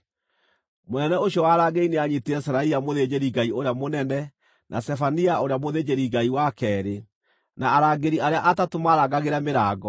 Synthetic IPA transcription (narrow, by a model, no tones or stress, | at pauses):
monɛnɛoɕjɔwaːɾaɡeineaɲitiɛsɾaiamoðed͡ʑeɾiɡaioɾeamonɛnɛ | nʔa̰stɛfaniaoɾeamoðed͡ʑeɾiɡaiwakɛːɾe | naːɾaːɡeɾiaɾeaʔatatomaɾaɡaɣeɾameɾaːɡɔ